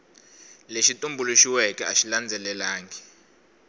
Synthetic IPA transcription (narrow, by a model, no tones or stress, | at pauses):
leʃitʼumbʱuluʃiwɛkʼɛaʃiland͡zʱɛlɛlaːŋɛ